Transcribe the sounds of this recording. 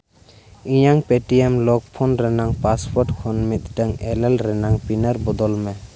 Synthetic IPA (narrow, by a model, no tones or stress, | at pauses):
iɲaŋpeʈiɛmlɔk̚pʰɔnɾɛnaŋpaspɔɾʈkʰɔnmit̪̚ˀʈɛŋɛlɛlɾɛnaŋpinəɾbɔd̪ɔlmɛ